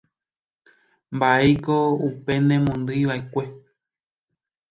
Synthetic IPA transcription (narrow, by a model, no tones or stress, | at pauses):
mbaekoupe̞nẽmõnd̪ɨjʋaekʷe̞